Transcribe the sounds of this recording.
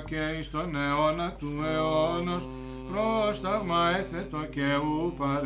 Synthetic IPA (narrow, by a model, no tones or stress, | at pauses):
kɛĩst̪ɔnɛɔnat̪uɛɔnɔs | pɾɔst̪aɾmaɛθɛt̪ɔkɛupaɾ